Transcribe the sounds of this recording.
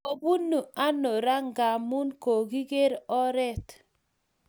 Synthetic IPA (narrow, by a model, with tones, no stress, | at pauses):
o˨bu˦nːu˨a˦no˨ɾa˦ŋɡa˨mu˦nko˨ɡi˦ɡe˦ɾɔ˦ɾɛ˦˨t